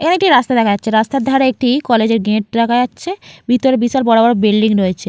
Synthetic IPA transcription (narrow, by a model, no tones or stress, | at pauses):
ḛkʰanekʈiɾast̪ad̪ɛkʰaatːɕʰeɾast̪aɾd̪ʱaɾaek̚ʈikɔled͡ʑeɾɡeʈ̚d̪akʰaatːɕʰebʱit̪oɾebisaɾbɔɽobɔɾobilɖiŋɾoet͡ɕʰe